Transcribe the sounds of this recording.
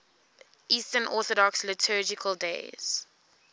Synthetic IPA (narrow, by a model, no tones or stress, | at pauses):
ʔiːstənʔɔˑθɔdɔkslɪtʰɜːd͡ʒɪkʰəldḛɪz̥